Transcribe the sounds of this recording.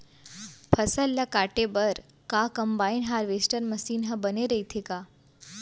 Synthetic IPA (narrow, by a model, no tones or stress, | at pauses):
pʰəsəlːakaːʈebəɾ | kakəmbaːinɦaːɾʋesʈəɾməsiːnɦəbəneɾəit̪ʰekaː